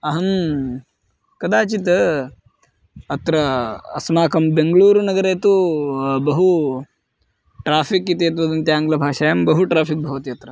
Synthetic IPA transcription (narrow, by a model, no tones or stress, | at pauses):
ɐɦɐm | kɐd̪aːt͡ʃit̪ɐ | ɐt̪ɾɐɐsmaːkɐmbeŋɡɐɭuːɾunɐɡɐɾeːt̪ubɐɦu | ʈɾaːpʰikit̪eɐt̪ʋɐd̪ɐnt̪jaːŋɡɐlɐbʱaːʂajɐmbɐɦuʈɾaːpʰik̚bʱɐʋɐt̪iɐt̪ɾɐ